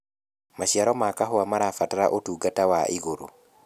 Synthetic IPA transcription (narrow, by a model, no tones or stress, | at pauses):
maʃiaɾɔmakaɦoamaɾafataɾaʔotuɡatawaʔiɣoɾo̰